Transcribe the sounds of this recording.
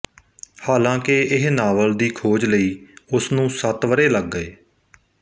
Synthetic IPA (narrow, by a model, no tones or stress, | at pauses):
haːlãːkeɪɦnaːʋəld̪iːkʰoːd͡ʒləiːʊsnũːsət̪ʋəɾeːləɡːəeː